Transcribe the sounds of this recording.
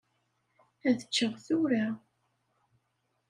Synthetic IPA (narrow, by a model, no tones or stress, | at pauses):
æðət͡ʃːəʁθuɾa